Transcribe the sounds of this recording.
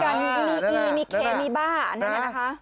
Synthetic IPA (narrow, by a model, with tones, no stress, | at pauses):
ka˧˩n˦miː˧ʔiː˧miː˧kʰeː˨˦miː˧baː˥˩˨na˦a˧˩na˦˧˥kʰa˦˥